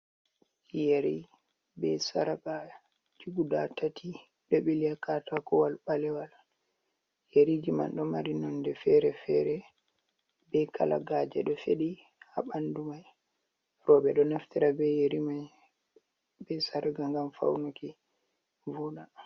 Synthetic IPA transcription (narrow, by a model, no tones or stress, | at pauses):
jeɾi | bɛsaɾaka | d͡ʒuɡudatati | ɗɛɓelijakatakɔwalɓalɛwal | jeɾid͡ʒima̰nɗɔmaɾinɔndɛfɛɾɛfɛɾɛ | bɛkʰa̰la̰ɡaːd͡ʒɛ̰ɗɔfeɗi | ha̰ɓandumaj | ɾɔbɛɗɔnaftiɾabɛjeɾima | bɛsaɾaɡaŋɡamfa̰wnuki | vunaɗ